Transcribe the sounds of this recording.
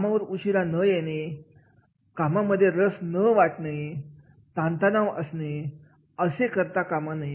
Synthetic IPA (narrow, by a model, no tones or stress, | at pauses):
amaʋəɾuɕiɾanəjeñe | kamaməd̪ʱːjeɾəsnəʋaʈna | t̪ãnt̪anaʋəsne | əsekəɾt̪akamanaɦi